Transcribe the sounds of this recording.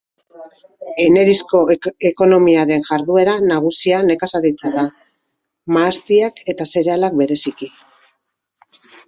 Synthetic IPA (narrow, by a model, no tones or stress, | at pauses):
e̞ne̞ɾisko̞e̞ko̞no̞miaɾe̞nʝaɾðue̞ɾanaɣ̞usiane̞kasaɾit͡saða | maːst̪iake̞t̪ase̞ɾe̞alak̚be̞ɾe̞siki